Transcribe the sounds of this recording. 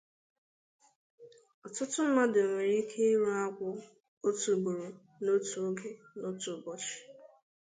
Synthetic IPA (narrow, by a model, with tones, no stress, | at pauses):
ɔ˨tʊ˦tʊ˦m̩˦ma˦dɪ˨o˨me˨ɾi˦kʰe˦i˦ɾu˦a˦kʷʊ˦ | o˦tu˨bu˨ɾo˨ | no˦tu˨o˦ɡe˨no˦tu˨bɔ˦t͡ʃɪ̥˨